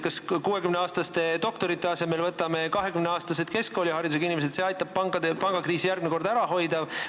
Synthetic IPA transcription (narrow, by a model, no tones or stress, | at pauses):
kɑskuːe̞kymneɑːst̪ɑst̪e̞t̪o̞kt̪o̞ɾit̪ˑːe̞ɑsemelvɤt̪ːˑɑme̞kɑɦe̞kymneɑːst̪ɑse̞d̪̥ke̞sko̞ːlʲihɑɾid̪useɡɑinimesed̪̥seɑjt̪ːˑɑb̚ɑɡ̪pɑŋɡ̥ɑkriːsijærɡmneko̞rd̪æɾɑɦo̞jd̪ɑ